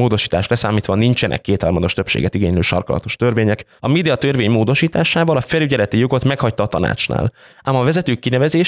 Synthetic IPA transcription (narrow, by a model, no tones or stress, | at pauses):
oːd̪o̞ʃi̥ːt̪a̰ːʃlɛsaːmiːt̪ʋɒnint͡ʃɛnʔɛ̰kːeːt̪hɒrmɒd̪o̞ʃt̪øpʃḛːɡɛt̪iɡḛːɲløːʃɒ̰rkɒlɒ̰t̪o̞ʃt̪ørveːɲɛk | ɒmeːd̪iɒt̪ørveːɲmoːd̪o̞ʃiːt̪aːʃaːvɒlɒfɛlyɟɛlɛt̪ijo̞ɡo̞t̪mɛkhɒct̪ɒːt̪ɒna̰ːt͡ʃna̰ːl | ʔamɒvɛzɛt̪øːkːinɛvɛzeːʃ